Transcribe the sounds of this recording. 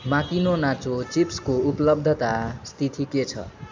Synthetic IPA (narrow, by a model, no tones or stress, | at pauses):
makinonat͡sot͡sipskouplʌb̚d̪ʱʌt̪ast̪ʰit̪ʰiket͡sʰʌ̰